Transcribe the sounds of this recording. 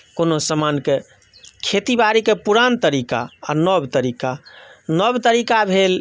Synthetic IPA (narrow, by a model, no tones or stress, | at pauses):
konosəmanke | kʰet̪ibaɾikepuɾant̪əɾika̰anɔbt̪əɾikanəbt̪əɾikabʱel